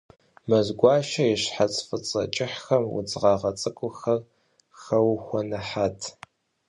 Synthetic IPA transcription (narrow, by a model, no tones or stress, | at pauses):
mɐzɡʷɑːʃɐjɪɕħat͡sʼfɨt͡sʼɐt͡ʃʼɪħxɐmwʊ̰d͡zʁɑːʁɐt͡sʼɨkʷʼʊxɐr | xɐwxʷɔnɨħaːtʰ